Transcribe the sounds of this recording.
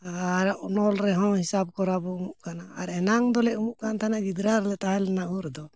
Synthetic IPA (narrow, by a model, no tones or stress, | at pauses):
ɾaʔnɔlɾɛɦɔ̃hisab̚kɔɾabɔumuʔkanaːɾɛnaŋd̪ɔlɛʔumuʔkant̪ʰanaɡid̪ɾaɾlɛt̪aɦalɛnaʔuɾɛd̪ɔ